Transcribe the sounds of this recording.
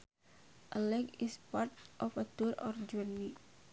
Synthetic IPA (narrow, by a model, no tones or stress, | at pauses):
ʔəlɛkispart̪̚ʔɔfət̪uɾɔ̰rd͡ʒurni